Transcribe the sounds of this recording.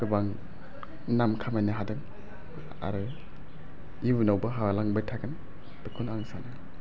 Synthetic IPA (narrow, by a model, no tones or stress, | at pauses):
kɯbaŋ | namkʰamajnɯɦadɯŋ | a̰ɾɯ | ibunawbɯɦawalaŋbajtʰaɡɯn | tɯkʰunaŋsanɯ